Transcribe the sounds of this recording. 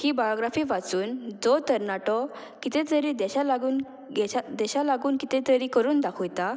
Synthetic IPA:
hibajɔɡɾafiːʋat͡suːnd͡zɔt̪əɾnaʈɔ | kit̪ɛ̃t̪əɾiːd̪ɛɕalaɡuːn | ɡɛad̪ɛɕalaɡuːnkit̪ɛ̃t̪əɾikəɾuːnd̪akʰɔjt̪a

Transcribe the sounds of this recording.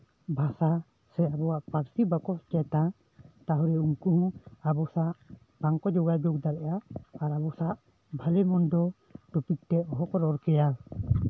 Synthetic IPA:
bʱasa | sɛabɔwaʔpaɾsibakɔst͡ʃɛt̪a | t̪aɦɔɾɛuŋkuhɔ̃abɔsaʔ | b̥aŋkɔd͡ʒɔɡajd͡ʒɔɡ̚d̪aɾɛʔaːɾabɔsaʔ | bʱalɛmɔndɔ | ʈupik̚t̪ɛɔɦɔkɔɾɔɾkɛja

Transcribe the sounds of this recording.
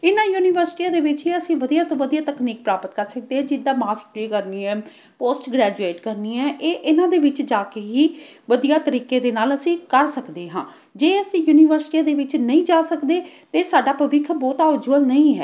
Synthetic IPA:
ɪnãːjuːnɪʋəɾsɪ̥ʈiːãːd̪eːʋɪt͡ʃɦiːəsĩːʋəd̪ijaːt̪õːʋəd̪ijaːt̪əkniːk̚pɾaːpət̪kəɾsək̚d̪eːɦãːd͡ʒɪd̪ːãːmaːsʈɾiːkəɾniːɛː | poːsʈɡɾɛːd͡ʒueːʈkəɾniːɛːʔeːʔɪnãːd̪eːʋɪt͡ʃd͡ʒaːkeːɦiːʋəd̪ijaːt̪əɾiːkeːd̪eːnaːləsĩːkəɾsəkd̪eːɦãː | d͡ʒeːəsĩːjuːnɪʋəɾsɪ̥ʈiãːd̪eːʋɪt͡ʃnəĩːd͡ʒaːsəkd̪eːt̪eːsaːɖaːpəʋɪkʰbɔːt̪aːd͡ʒuəlnəĩːɦɛ̰ː

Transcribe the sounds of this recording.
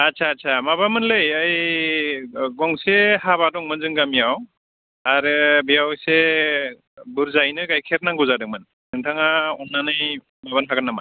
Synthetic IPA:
atsʰaːtsʰamabamɯnlɯjaj | ɡɔŋsehaβadɔŋmɯnzɯŋɡamijaw | aɾɯbijawse | buɾzajnɯkajkʰeɾnaŋɡɔzadɯŋmɯn | dɯŋtʰaŋaɔnːanɯj | maβankʰaɡanːama̰

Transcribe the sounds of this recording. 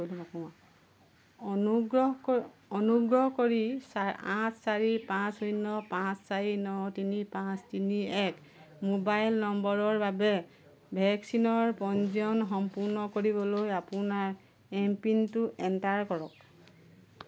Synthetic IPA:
kojlɛmɔkɔa | uɡɹɔɦ | ɔnuɡɹɔɦkoɹisaãssaɹipãsojnːɔpãssaɹinɔtinipãstiniɛk | mobajlnɔmbɔɹɔɹbabɛ | bʱɛksinɔɹpɔnziɔnxɔmpuɹnɔkoɹibɔlojapunaɹ | ɛmpintʊʔɛntaɹkɔɹɔk̚

